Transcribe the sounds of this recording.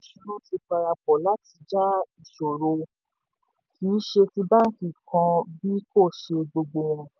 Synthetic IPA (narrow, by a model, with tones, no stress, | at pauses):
ʃu˧˦lu˦ti˧k͡pa˧ɾa˧k͡pɔ˨la˨˦ti˧d͡ʒa˦i˨ʃo˨ɾo˧ | ki˨˦ʃe˧ti˧ba˦ŋ̩˦ki˦˨kã˧bi˦ko˦˨ʃe˧ɡ͡bo˧ɡ͡bo˧w̃ɔ̃˧